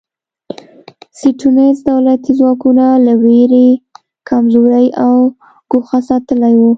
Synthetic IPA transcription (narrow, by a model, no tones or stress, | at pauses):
siʈunezd̪awlat̪izwɑkunalaweɾe | kʰamzoɾəjaw | ɡ̥oxasɑt̪əlajwu